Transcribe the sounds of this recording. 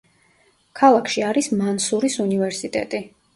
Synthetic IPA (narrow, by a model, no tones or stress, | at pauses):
kʰalˠakʰʃiaɾismansuɾisunivɛɾsit̪ʼɛ̰t̪ʼi